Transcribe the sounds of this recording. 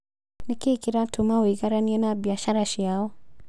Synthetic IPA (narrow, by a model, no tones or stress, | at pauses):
nikikiɾatʰumawiɡaɾaniɛnabiaʃaɾaʃiaɔ